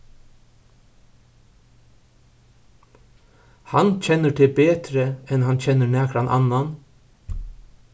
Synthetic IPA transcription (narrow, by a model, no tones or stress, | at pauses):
hant͡ɕʰɛnːəʈ̪ʰɪlbeːt̪ɾəɛnɦant͡ɕʰɛnːəɹnɛːkɾanʔa̰nːan